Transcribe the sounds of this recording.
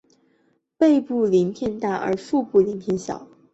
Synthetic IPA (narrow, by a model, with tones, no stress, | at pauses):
pe˥˧ɪpu˥˩li˧˥nt̪ʰjɛ˥˧nt̪a˥˩ʔə̰˞˧˥fu˥˧pu˥˩li˧˥nt̪ʰjɛ˥˧nɕjɑ̰˨˩˦ʊ